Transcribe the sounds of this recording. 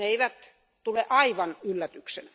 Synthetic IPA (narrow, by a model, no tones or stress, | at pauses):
eiʋæt̪ | t̪uleʔɑiʋɑnylːæt̪yksḛn